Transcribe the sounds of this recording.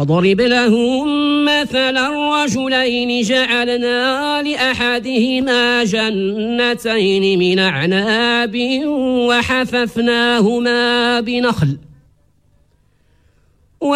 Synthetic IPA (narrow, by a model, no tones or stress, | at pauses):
ɑd̪ˤɑɾɪblahʊmmaθalarˤːɑd͡ʒʊlajnɪd͡ʒaʕalnaː | lɪʔaħad̪ɪhɪmaːd͡ʒanː | at̪ajnɪmɪnʔaʕnaːbɪwaħafafnaːhʊmaːbɪnaxl | w